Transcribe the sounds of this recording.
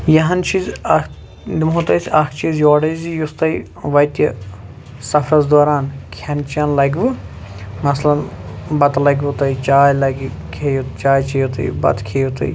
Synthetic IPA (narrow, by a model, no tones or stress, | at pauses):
jɐɦɐnt͡ʃʰiːzɐ | d̪imɦut̪ɐjsʲɐkʰt͡ʃiːzjoːɖɐzijust̪ɐj | ʋɐjt̪ɐ | sɐfʰɾɐzd̪oːɾaːnkʲʰɐnt͡ʃiɐnlɐɡʋɨ | mɐslɐnbɐt̪lɐɡʲʋut̪ɐjt͡ʃaːjlɐɡʲ | kʰeːjut̪t͡ʃaːjt͡ʃɐjut̪ɐ̰j̰bɐ̰t̪kʰeːjut̪ɐ̰j